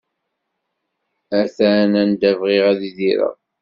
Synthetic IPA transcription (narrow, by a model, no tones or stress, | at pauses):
æθænænd̪ævʁɪʁæðiðiɾə̰